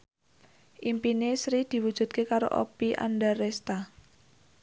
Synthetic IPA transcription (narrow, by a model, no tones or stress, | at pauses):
ʔimpinesɾid̪̥i̤wud̥ʒ̥ṳd̪̚kekaɾo̰ʔo̰piʔa̰nɖarɛst̪a